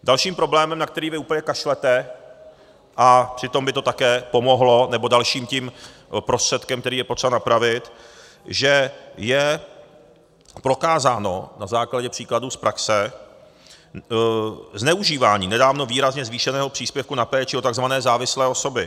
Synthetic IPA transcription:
dalʃiːmpɾo̞blɛːmɛmnakt̪ɛɾiːvɪuːpəɲɛkaʃlɛt̪ɛ | ʔapr̥ɪt̪o̞mbɪt̪o̞t̪akɛːpo̞mo̞ɦlo̞nɛbo̞dalʃiːmcimpɾo̞st̪r̥ɛt̪kɛmkt̪ɛɾiːjɛpot̪rɛbanapɾavɪt̪ | ʒɛjɛ | pɾo̞kaːzaːno̞̰nazaːklaɟɛpr̥iːkladuːspɾʔaksɛ | znɛuʒiːvaːɲiːnɛdaːvno̞viːɾazɲɛzviːʃɛnɛːɦo̞pr̝̥iːspjɛfkunapɛːt͡ʃɪo̞t̪aɡzvanɛːzaːvɪslɛːo̞so̞bɪ

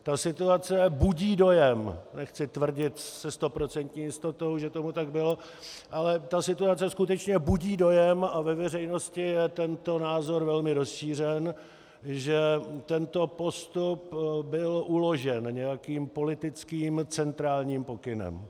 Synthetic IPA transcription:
t̪asɪt̪uat͡sɛbuɟiːdo̞jɛmnɛxt͡sɪt̪vr̩ɟɪt̪sɛst̪o̞pɾo̞t͡sɛnt̪ɲiːjɪst̪o̞t̪o̞wʒɛt̪o̞mut̪aɡbɪlo̞ | ʔalɛt̪asɪt̪uat͡sɛskut̪ɛt͡ʃɲɛbuɟiːdo̞jɛmavɛvɛr̝ɛjno̞scɪjɛt̪ɛnt̪o̞naːzo̞ɾvɛlmɪɾo̞sʃiːr̝ɛn | ʒɛt̪ɛnt̪o̞po̞st̪upbɪlʔulo̞ʒɛnɲɛjakiːmpo̞lɪt̪ɪt͡skiːmt͡sɛnt̪ɾaːlɲiːmpo̞kɪnɛ̰m

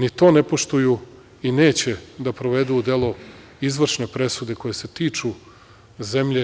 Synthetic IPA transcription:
nit̪o̞ːne̞po̞ʃt̪uju | ine̞ːt͡ɕe̞d̪apɾoʋe̞d̪uud̪e̞lˠo | izʋr̩ʃne̞pɾe̞sud̪e̞ko̞jese̞t̪iːt͡ʂu | ze̞mʎe

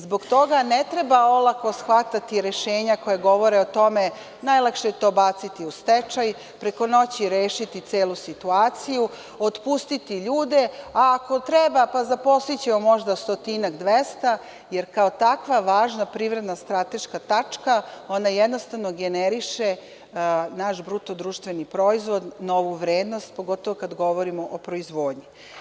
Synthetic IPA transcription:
zbo̞ɡt̪o̞ɡanet̪ɾebao̞lˠako̞sxʋat̪at̪iɾeʃeːɲako̞jeɡo̞ʋo̞ɾeot̪o̞me | najlˠakʃet̪o̞ːbat̪sit̪iust̪et͡ʃaj | pɾe̞ko̞no̞t͡ɕiɾeːʃit̪it̪seːlusit̪uaːt̪siju | ot̪pust̪it̪iʎuːd̪eaːko̞t̪ɾɛbapazapo̞sit͡ɕemomo̞ʒd̪ast̪ot̪inaɡd̪ʋest̪a | jeɾkao̞t̪akʋaʋaːʒnapɾiʋɾe̞d̪nast̪ɾat̪e̞ʃkat̪at͡ʂkao̞najed̪nost̪aʋnoɡeneɾiʃe | naʃbɾut̪o̞d̪ɾuːʃt̪ʋenipɾo̞izʋo̞d̪no̞ʋuʋɾeːd̪no̞st̪̚poɡot̪oʋokad̪ɡo̞ʋo̞ɾimo̞ʔopɾo̞izʋoːd̪ɲi

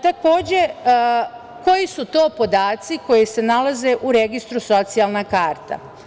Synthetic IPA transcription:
t̪ako̞ːd͡ʑe̞ | ko̞jisut̪o̞ːpo̞d̪aːt̪siko̞jise̞nalaze̞ʔuɾeɡist̪ɾuso̞t̪sijalnakaːɾt̪a̰

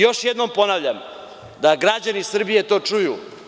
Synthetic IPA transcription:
jo̞ʃjed̪no̞mpo̞naʋvʎam | d̪aɡɾad͡ʑanisr̩bije̞t̪o̞ːt͡ʂujṵ

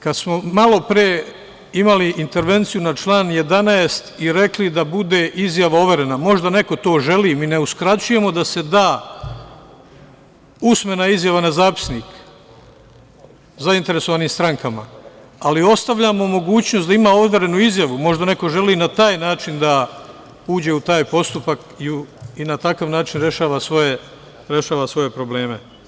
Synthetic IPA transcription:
kad̪smo̞malˠo̞pɾije | imaliʔint̪e̞ɾʋe̞nt̪sijunat͡ʃlˠaːnje̞d̪anaest̪iɾe̞klid̪abud̪e̞ʔizjaʋao̞ʋeɾe̞namo̞ʒd̪ane̞ko̞t̪o̞ːʒe̞liːmine̞uskɾat͡ɕuje̞mo̞d̪ase̞d̪aː | usme̞naizjaʋanazaːpi̥sniːk | zaint̪eɾe̞soʋaːniːmst̪ɾaŋkama̰ | alio̞st̪aʋʎamomo̞ɡuːt͡ɕnosd̪aimaːo̞t̪ʋoɾe̞nuizjaʋumo̞ʒd̪ane̞ko̞ʒe̞liːnat̪aːjnaːt͡ʃind̪a | uːd͡ʑe̞ut̪aːjpo̞st̪upak | iuinat̪akaʋnaːt͡ʃinɾe̞ʃaːʋasʋoje | ɾe̞ʃaːʋasʋo̞je̞pɾo̞ble̞ːme̞

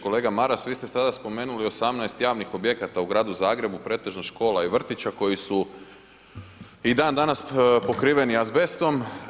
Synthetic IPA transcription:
ko̞leːɡamaɾasʋiːst̪e̞sad̪aspo̞meːnulio̞samnaest̪jaːʋnixo̞bje̞kat̪auɡɾaːd̪uzaːɡɾe̞bupɾe̞ːt̪e̞ʒnaʃko̞ːlaiʋr̩t̪it͡ɕako̞jisu | id̪aːnd̪anaspo̞kɾiːʋe̞niazbe̞st̪o̞m

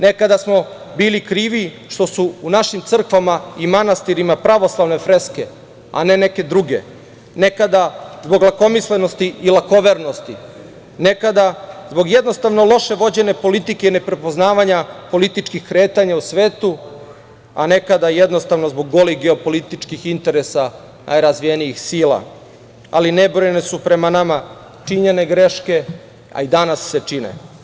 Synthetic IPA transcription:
nekad̪asmo̞ | biːlikɾiːʋi | ʃt̪o̞suːnaʃimt̪sr̩kʋamaimanast̪iɾimapɾaʋo̞slˠaʋne̞fɾeske̞ | a̰neneke̞d̪ɾuɡe̞̰ | nekad̪azbo̞ɡlako̞misleno̞st̪iːlˠako̞ʋeɾnost̪i | nekad̪azbo̞ɡjed̪no̞st̪aʋno̞lˠo̞ʃe̞ʋo̞d͡ʑe̞ne̞po̞lit̪ikeine̞pɾepo̞znaːʋaɲapo̞lit̪it͡ʃkixkɾeːt̪aɲausʋeːt̪u | a̰ne̞kad̪ajed̪nost̪aʋno̞zbo̞ɡːo̞lixɡeopo̞lit̪it͡ʃkixint̪e̞ɾesa | nʔa̰jɾazʋijeniixsiːla̰ | a̰linebɾojenesupɾe̞manama | t͡ʃiɲe̞ne̞ɡɾe̞ʃke̞ | a̰id̪anasːet͡ʂinḛ

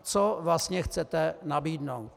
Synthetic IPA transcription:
t͡sovlastɲɛxt͡sɛt̪ɛnabiːdnowt̪

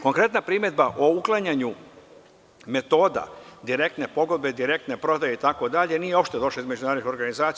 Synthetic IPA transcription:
ko̞ŋkɾe̞t̪napɾiːme̞d̪̚baʔouklˠaɲaɲu | me̞t̪o̞ːd̪a̰d̪iɾe̞k̚t̪ne̞po̞ɡo̞d̪̚be̞d̪iɾe̞k̚t̪ne̞pɾo̞d̪ajeit̪ako̞d̪aʎe̞nijeo̞pʃt̪e̞d̪o̞ʃlaizmed͡ʒunaɾod̪ixoɾɡanizaːt̪s

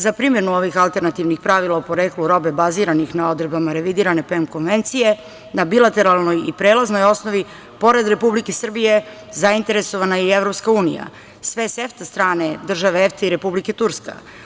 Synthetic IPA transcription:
zapɾiːmjenuo̞ʋixalˠt̪e̞ɾnat̪iʋnixpɾaʋilaupo̞ɾeːkluɾo̞be̞baziːɾanixnao̞d̪ɾebamaɾe̞ʋid̪iːɾane̞pemko̞nʋe̞nt̪sije̞ | nabilˠat̪e̞ɾalˠno̞jḭpɾeːlazno̞jo̞snoʋi | po̞ɾe̞d̪ɾe̞publikesr̩bije̞ | zaint̪e̞ɾe̞soʋanaievɾo̞pskauːnija̰ | sʋeseft̪ast̪ɾaːne̞d̪r̩ʒaʋeeft̪eiɾe̞publike̞t̪uɾska̰

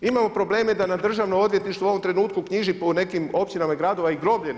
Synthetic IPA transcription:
imamo̞pɾo̞ble̞ːmed̪anad̪r̩ʒaʋnoo̞d̪ʋjet̪niʃt̪ʋoo̞ʋo̞mt̪ɾe̞nuːt̪kukɲiʒipone̞kimo̞pt͡ɕinamaiɡɾad̪o̞ʋaiɡɾo̞bʎen

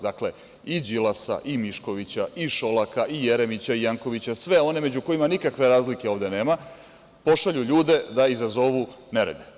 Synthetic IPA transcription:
d̪akle̞ | id͡ʑilasa̰ʔimiʃko̞ʋit͡ɕaʔiʃo̞lakaʔije̞ɾe̞mit͡ɕaijaŋko̞ʋit͡ɕasʋe̞o̞ne̞me̞d͡ʑuko̞imanikakʋe̞ɾaːzlike̞o̞ːʋd̪e̞ne̞ːma | po̞ʃaʎuʎuːd̪e̞d̪aizazo̞ʋu | neɾḛd̪e

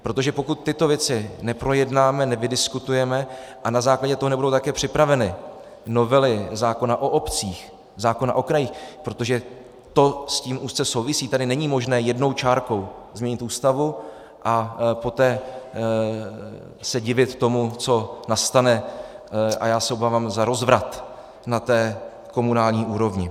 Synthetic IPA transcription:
pɾo̞t̪oʒɛpo̞kut̪̚ːɪt̪o̞vjɛt͡sɪnɛpɾo̞jɛdnaːmɛnɛvɪdɪskut̪ujɛmɛʔanazaːklaɟɛt̪oɦonɛbudo̞wt̪akɛːpr̥ɪpɾavɛnɪ | no̞vɛlɪzaːko̞naʔo̞ʔopt͡siːx | zaːko̞na̰ʔo̞kɾajixpɾo̞t̪o̞ʒɛ | t̪o̞sciːmʔuːst͡sɛso̞wvɪsiːt̪adɪnɛɲiːmo̞ʒnɛːjɛdno̞wt͡ʃaːɾko̞wzmɲɛɲɪt̪ʔuːst̪avu | ʔapo̞t̪ɛː | sɛɟɪvɪt̪t̪ːo̞mut͡so̞nast̪anɛ | ʔa̰jaːsɛobaːvaːmzaɾo̞zvɾat̪ | nat̪ɛː | ko̞munaːlɲiːʔuːɾo̞vɲɪ

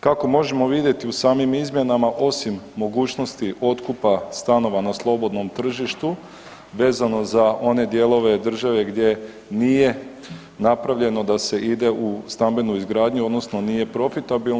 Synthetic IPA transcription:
kako̞mo̞ʒe̞mo̞ʋid̪je̞t̪iusaːmimizmje̞namaʔo̞simːo̞ɡuːt͡ʃno̞st̪iʔo̞t̪kupast̪ano̞ʋanaslˠo̞bo̞d̪no̞mt̪r̩ʒiʃt̪u | ʋe̞ːzano̞zao̞ne̞d̪je̞ːlˠo̞ʋe̞d̪r̩ʒaʋe̞ɡd̪je̞ | nije̞ | napɾaʋʎe̞no̞d̪ase̞ʔid̪e̞ʔust̪ambe̞nuizɡɾaːd̪ɲuo̞d̪nosno̞nije̞pɾo̞fit̪abil

